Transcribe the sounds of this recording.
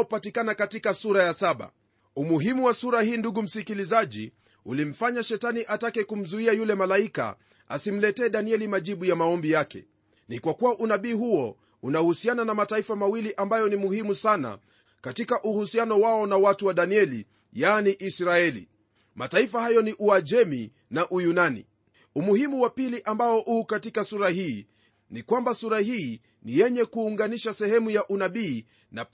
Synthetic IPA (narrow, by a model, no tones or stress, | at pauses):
patikanakatikasuɾajasaɓa̰ | umuɦimuwasuɾahiːnduɡum̩sikilizaʄḭ | ulim̩faɲaʃɛtaniʔatakɛkum̩zuiajulɛmalaika̰ | a̰sim̩lɛtɛːɗaniɛlimaʄiɓujamaɔmbijakɛ̰ | nikwakuwaʔunaɓiːhuɔ | unahusiananamataifamawiliʔambajɔnimuhimusana̰ | katikaʔuhusianɔwaɔnawatuwaɗaniɛlḭ | janiʔisɾaɛlḭ | mataifahajɔniʔuad͡ʒɛmi | naʔujunanḭ | umuhimuwapiliʔambaɔʔuːkatikasuɾahiː | nikwambasuɾahiː | nijɛɲɛkuːŋɡaniʃasɛhɛmujaʔunaɓiː | na